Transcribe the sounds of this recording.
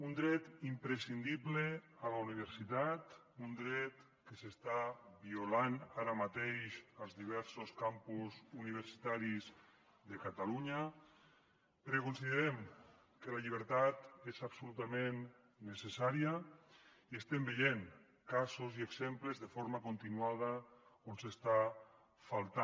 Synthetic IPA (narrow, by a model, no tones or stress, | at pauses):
und̪ɾɛt̪impɾesind̪iβlealauniβ̞əɾsit̪at̪ | und̪ɾɛt̪ | kesest̪aβiulanaɾamat̪eʃəlˠzðiβ̞ɛɾsoskampuzuniβ̞əɾsi̥t̪aɾiz | ðekat̪aluɲa | pəɾkekunsiðəɾɛm | kəlaʎiβ̞əɾt̪at̪ezabsulut̪amenː | esesaɾia | iest̪embeʎen | kasozieɡz̥empləzðefoɾmakunt̪inuað̞əonsest̪a | falˠt̪a